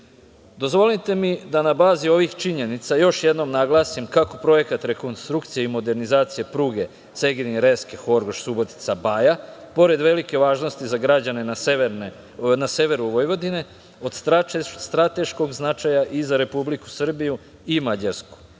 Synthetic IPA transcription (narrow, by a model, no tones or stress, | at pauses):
d̪o̞zʋo̞lit̪e̞mid̪anabaːzio̞ʋixt͡ʃiɲe̞nit̪sajo̞ʃjed̪no̞mnaɡlˠaːsimkako̞pɾo̞je̞kat̪ɾe̞ko̞nst̪ɾukt̪sijeimo̞d̪e̞ɾnizaːt̪sije̞pɾuːɡe̞ | t̪se̞ɡniɾeskexo̞ɾɡoʃsubo̞t̪i̥t̪sabajapo̞ɾe̞d̪ʋe̞like̞ʋaːʒno̞st̪izaɡɾad͡ʑane̞na | naseʋe̞ɾuʋo̞jʋo̞d̪ine | o̞d̪st̪ast̪ɾat̪e̞ʃko̞ɡznat͡ʃajaʔizaɾe̞publiku̥sr̩biju | imad͡ʑaɾsku̥